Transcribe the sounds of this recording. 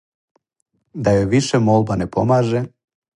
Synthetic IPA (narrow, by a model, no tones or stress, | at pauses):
d̪ɑjoviʃemolˠbɑnepomaʒe